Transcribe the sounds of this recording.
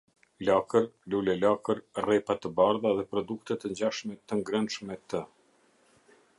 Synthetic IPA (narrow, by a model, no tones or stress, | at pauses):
lakəɾlulɛlakəɾrɛpat̪əbaɾðaðɛpɾɔd̪ukt̪ɛt̪əɲd͡ʑaʃmɛt̪əŋɡɾənʃmɛt̪ə